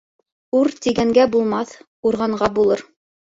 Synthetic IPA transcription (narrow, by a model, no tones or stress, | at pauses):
uɾt̪iɡæŋɡæbulˠmɑθ | uɾʁɑɴɢɑbulˠɤɾ